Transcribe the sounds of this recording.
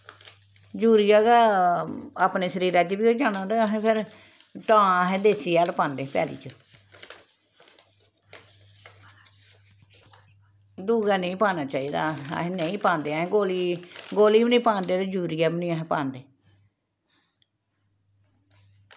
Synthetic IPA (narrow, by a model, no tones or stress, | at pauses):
d͡ʒuːɾijaːɡaː | aːpneːʃəɾiːɾaːt͡ʃbiːoːd͡ʒaːnãːd̪eɦẽːpʰɪɾ | ʈãːɦẽːd̪eːsiːaːlpãːnd̪eːpɛ̰ːlḭːt͡ʃə | d̪uːɡaːnə̃ĩːpaːnaːt͡ʃaːiːd̪a̰ːɦẽnəĩːpãːnd̪eːaɦẽːɡoːliːɡoːliːməniːpãːnd̪eːd̪ed͡ʒuːɾijaːməniːaɦẽːpãːnd̪eː